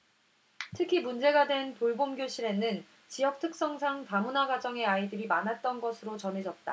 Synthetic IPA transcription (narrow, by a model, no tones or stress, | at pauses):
tʰɯkʰimund͡ʑe̞ɡadwe̞ntoɭbomɡjoɕʰiɾe̞nɯn | t͡ɕijʌk̚tʰɯk̚s͈ʌŋsʰaŋtamunaɡad͡ʑʌŋe̞aidɯɾimanɦat̚t͈ʌnɡʌsʰɯɾot͡ɕʌnɦe̞d͡ʑʌt̚t͈a̰